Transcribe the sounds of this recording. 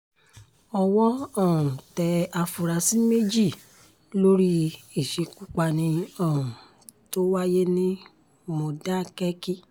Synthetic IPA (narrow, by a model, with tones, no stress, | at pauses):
ɔ˧wɔ˦ɔ˦˨ũ˨tɛ˧a˧fu˧ɾa˧si˦me˦d͡ʒi˦˨ | lo˦ɾi˦i˨ʃe˧ku˦k͡pa˧nĩ˧ɔ̃˦˨ũ˨ | to˦wa˦je˦nĩ˦ | mo˧da˦˨kɛ˦ki˦